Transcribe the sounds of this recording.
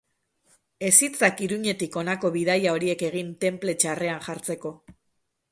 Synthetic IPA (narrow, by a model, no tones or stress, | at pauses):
e̞sit͡sakiɾuɲe̞t̪iko̞nako̞βiðajao̞ɾie̞ke̞ɣ̞int̪e̞mple̞t͡ʃare̞anxaɾt͡se̞ko̞